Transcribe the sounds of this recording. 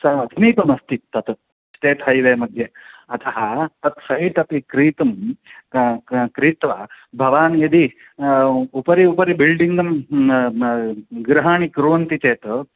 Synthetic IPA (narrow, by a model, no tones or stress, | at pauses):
sɐɐt̪ʰiniːpɐmɐst̪it̪ːɐt̪ | t͡ʃt͡ʃeːt̪ɦɐjʋeːmɐd̪ʱjɐɐt̪ʰɐɦɐt̪ɐt̪sɐjʈɐt̪ikɾiːt̪ɐm | kɾiːt̪ʋɐbʱɐʋaːnjɐd̪i | upɐɾiupɐɾibilɖiŋɡɐm | ɡɾɐɦaːɳikɾuʋɐnt̪it͡ʃeːt̪